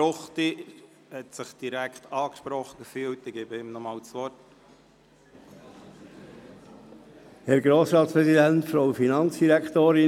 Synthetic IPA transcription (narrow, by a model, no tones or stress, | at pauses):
ʊχti | hɛt̪səχd̥iɾækχt̪ɑːkʃpɾɔχəɡfyːltɪɡ̥eːbəɪmnɔmɑːlt͡sʋɔt | hɛɾɡɾoːsɾɑːt̪spɾɛzidænt̪fɾowfinɑnsd̥iɾækt̪oːɾɪ